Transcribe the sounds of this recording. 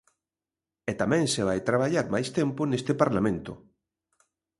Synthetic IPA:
ɛt̪amɛ̃ŋseβ̞ajt̪ɾaβ̞aʎaɾmajst̪ɛmpʊnest̪ɪpaɾlamẽnt̪ʊ̰

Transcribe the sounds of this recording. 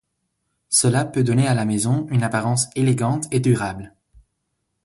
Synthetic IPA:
səlapød̪ɔnealamɛzɔ̃ynapaʁɑ̃seleɡɑ̃t̪ʰed̪yʁabl

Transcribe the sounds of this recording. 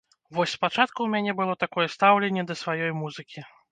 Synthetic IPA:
vɔsʲspat͡ʂat̪kuwmʲanʲɛbɨlˠɔt̪akɔjɛst̪awlʲɛnʲːɛd̪ɐsvajɔjmuzɨkʲi

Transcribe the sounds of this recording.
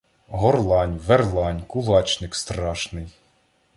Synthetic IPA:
ɦɔrlˠɑnʲʋerlˠɑnʲkʊlˠɑt͡ʃnɪkst̪ɾɑʃnɪj

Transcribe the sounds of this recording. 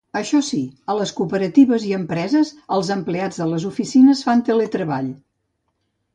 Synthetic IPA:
əʃɔsiələskupəɾət̪iβəziəmpɾɛzəzəlˠzəmplead͡zðələzufisinəsfant̪elet̪ɾəβaʎ

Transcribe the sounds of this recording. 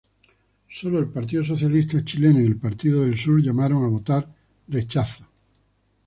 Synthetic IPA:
so̞lo̞e̞lpaɾt̪̬iðoso̞θjalist̪at͡ʃilenoiðe̞lpaɾt̪iðoðe̞lsuɾʎamaɾo̞ŋaβ̞o̞t̪aɾ | re̞t͡ʃaθo̥

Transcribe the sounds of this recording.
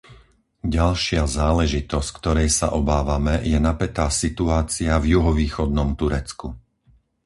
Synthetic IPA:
ɟalʃɪazaːlɛʒit̪ɔsckt̪ɔɾɛjsa̰ʔɔbaːʋamɛjɛnapɛt̪aːsit̪uaːt͡siavjuɦɔʋiːxɔd̪nɔmt̪uɾɛt͡sku

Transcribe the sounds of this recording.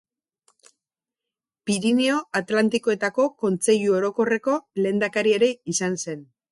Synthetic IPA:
piɾinio̞at̪lant̪iko̞e̞t̪ako̞ko̞nt͡se̞ʎuo̞ɾo̞ko̞re̞ko̞le̞ːnd̪akaɾie̞ɾe̞isanse̞n

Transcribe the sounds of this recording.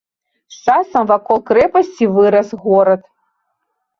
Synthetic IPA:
st͡ʂasɐmvakolˠkɾɛpɐsʲt͡sʲivɨɾɐsɣɔɾɐt̪

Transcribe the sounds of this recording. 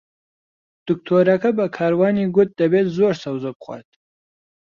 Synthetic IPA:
d̪̥ʊk̚t̪ʰoɾakabakʰɑːɾwɑːniɡʊt̪̚d̪ɐbet̪zoːɾsawzopχwɑ̰ːt̪̚

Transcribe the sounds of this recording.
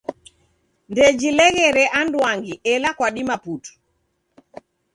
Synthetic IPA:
ndɛd͡ʒilɛɣɛɾɛʔandwaŋɡiɛlakwaɗimaputu̥

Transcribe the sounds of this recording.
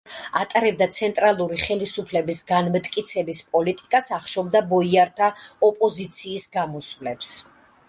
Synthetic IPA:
at̪ʼaɾɛb̚d̪at̪sʰɛnt̪ʼɾalˠuɾiχɛlisupʰlɛbisɡanmt̪ʼkʼit̪sʰɛbispʼɔlit̪ʼikʼasaχʃɔbd̪abɔiaɾt̪ʰaɔpʼɔzit̪sʰiːsɡamɔsvlɛps

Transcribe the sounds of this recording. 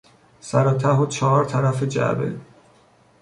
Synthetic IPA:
sæɾɒːt̪ʰæɦot͡ʃʰɒːɾt̪ʰæɾæfed͡ʒæ̰bḛ

